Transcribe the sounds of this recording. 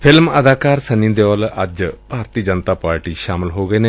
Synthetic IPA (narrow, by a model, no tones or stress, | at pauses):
pʰɪlməd̪aːkaːɾsənĩnd̪eɔːləd͡ʒpaːɾt̪iːd͡ʒənt̪aːpaːɾʈiːʃaːmɪlɦoːɡəeːneː